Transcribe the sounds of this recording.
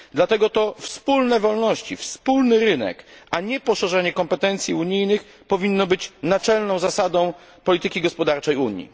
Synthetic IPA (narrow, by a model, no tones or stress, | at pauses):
d̪lat̪ɛɡɔt̪ɔfspulnɛvɔlnɔɕt͡ɕḭfspulnɘɾɘnɛ̰kaɲɛpɔʂɛʐɛɲɛkɔmpɛt̪ɛnt̪sʲjiuɲijnɘx | pɔvʲinːɔbɘt͡ɕnat͡ʂɛlnɔ̃w̃zasad̪ɔ̃w̃ | pɔlʲit̪ɘkʲiɡɔspɔd̪aɾt͡ʂɛjuɲḭ